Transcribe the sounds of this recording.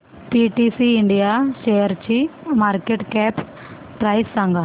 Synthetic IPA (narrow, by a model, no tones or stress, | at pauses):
piʈisiːɳɖijaːʃejɐɾt͡ʃimaːɾkeʈkɛːp | pɾɐjsɐŋɡʱɐ